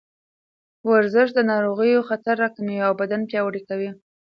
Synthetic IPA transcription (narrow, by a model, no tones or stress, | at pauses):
waɾzɪʃ̬d̪ənɑɾoɣəjoxat̪aɾːakamijawbad̪anpjɑwaɽikawi